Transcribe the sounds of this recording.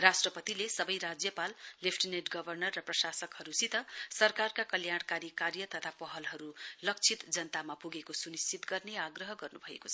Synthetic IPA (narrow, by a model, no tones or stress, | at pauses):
rasʈrʌpʌt̪ilesʌbʌjɾad͡zjʌpalːipʰʈineʈɡʌbʱʌrnʌrːʌprʌsasʌkhʌɾusit̪ʌsʌrkarkakʌljaɽ̃kaɾikaɾjʌt̪ʌt̪ʰapʌɦʌlɦʌɾulʌk̚t͡sʰit̪d͡zʌnt̪amapuɡekosunist͡sit̪ɡʌrneaɡrʌɦʌɡʌrnubʱʌḛkot͡sʰ